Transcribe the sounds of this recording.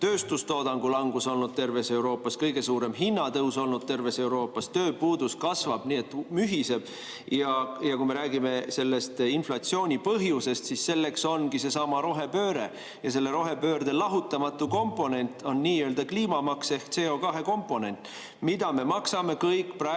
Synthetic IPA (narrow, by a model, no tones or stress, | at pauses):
t̪øːst̪ust̪o̞ːd̪̥ɑŋɡ̥ulɑŋɡ̥uso̞lnud̪̥̚t̪e̞rve̞se̞wɾo̞ːpːˑɑskɤjɡ̥e̞suːɾe̞mɦinːɑt̪ɤwso̞lnud̪̥̚t̪e̞rve̞se̞wɾo̞ːpːˑɑst̪ø̞ːpuːd̪̥uskɑsvɑb̥niːe̞t̪ːˑmyɦise̞b̥̚ | jɑjɑkume̞ɾæːɡime̞se̞lːe̞st̪inflɑt̪sio̞ːnʲipɤɦjuse̞st̪sisselːe̞kso̞nkise̞sɑmɑɾo̞ɦe̞pø̞ːɾe̞ | jɑs̬e̞lːe̞ɾo̞ɦe̞pøːɾd̪e̞lɑɦut̪ːˑɑmɑt̪ːˑuko̞mpˑo̞ne̞nʲt̪ːˑo̞nːiːjøːld̪ɑkliːmɑmɑkse̞hkt̪se̞ːo̞kɑɦe̞ko̞mpˑo̞ne̞nt̪ˑː | mid̪ɑme̞mɑksɑme̞kɤjkːˑprɑ